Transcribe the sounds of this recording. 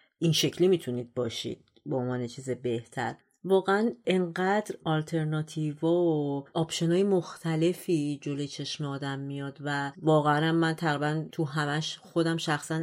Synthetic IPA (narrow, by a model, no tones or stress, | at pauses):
ʔinʃe̞cʰlimit̪ʰuniːd̪̚bɒːʃḭːd̪̥̚ | boonvɒːne̞t͡ʃʰiːzebe̞ht̪ʰæ̰ɾ | vɒːɣeæneŋɢæd̪ɾɒlt̪ʰe̞ɾnɒːt̪ʰivɒːoʔɒːbʃo̞nɒːjemoxt̪ʰæle̞fiːd͡ʒolojt͡ʃʰe̞ʃmeɒːd̪æmːijɒd̪vævɒːɣeænæmːænt̪ʰæɣɾibænt̪ʰuɦæmæʃxo̞d̪æmʃæxsæn